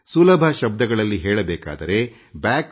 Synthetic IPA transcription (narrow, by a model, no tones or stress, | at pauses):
sulɐbʱɐʃɐb̚d̪ɐɡɐɭɐlːiɦeːɭɐbeːka̰ːd̪ɐɾe̞ | baːk